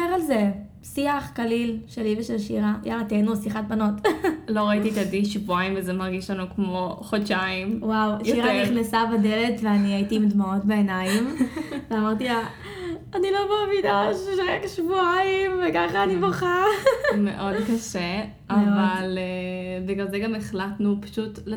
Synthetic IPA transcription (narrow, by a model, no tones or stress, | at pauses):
eʁalze | siaχkalilʃeliveʃelʃiʁajʔaʁat̪enusiχat̚bano̞tlo̞ʁait̪it̪adiʃvuajimvezemaʁɡiʃlanukmo̞χodʃaimwawjoiʁaniχnesabadele̞tveaniajitiːmd̪mao̞tbeenajimveamaʁtia | anilo̞maːvidaʃʃalekʃvuaimvekaχaːnibaχamḛʔo̞d̪kaʃe | ʔavalebiɡalzeɡameχlatnupḁʃutl